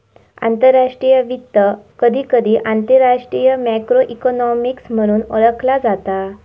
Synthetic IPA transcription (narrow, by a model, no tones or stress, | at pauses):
a̰nt̪əɾːaʂʈɾijəʋit̪ːəkəd̪ʱiːkəd̪ʱiːʔant̪əɾaʂʈɾijəmɛkɾoʔikɔnɔmiksm̤əɽ̃uːnɔɭəkʰlad͡zat̪a